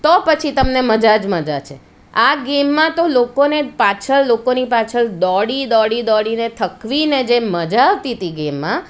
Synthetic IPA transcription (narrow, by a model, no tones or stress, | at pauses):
t̪opət͡ʃʰit̪əmneməd͡ʒad͡ʒməd͡ʒat͡ʃʰe | aɡemːãt̪olokonepat͡ʃʰəɭlokonipat͡ʃʰəɭd̪ɔɽid̪ɔɽid̪ɔɽinet̪ʰəkʋined͡ʒeməd͡ʒaʋt̪it̪iɡemːã